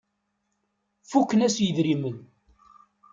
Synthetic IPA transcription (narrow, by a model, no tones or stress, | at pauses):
fukːənæsjəðɾimən